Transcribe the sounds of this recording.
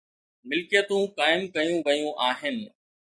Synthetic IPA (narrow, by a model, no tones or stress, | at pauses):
mɪlkijət̪ũkaːɪmkɐjũʋɐjũʔaːɦɪnɪ̆